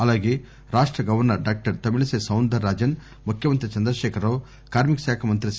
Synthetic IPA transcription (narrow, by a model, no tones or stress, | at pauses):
ɐlaːɡe | ɾaːʂʈɾɐɡɐʋɐɾnɐɾɖaːk̚ʈɐɾt̪ɐmilɐseːsɐwnd̪ʱɐɾːaːd͡ʒɐn | mukʰjɐmɐnt̪ɾit͡ʃɐnd̪ɾɐʃɛːkʰɐɾɐʋ | kaːɾmikɐʃjaːkʰɐmɐnt̪ɾis